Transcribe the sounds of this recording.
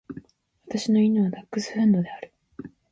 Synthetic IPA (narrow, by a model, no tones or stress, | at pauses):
βat̪aɕino̞inoβad̪akːɯ̟sɨ̥hɯ̃nd̪o̞d̪e̞aɾɯ̟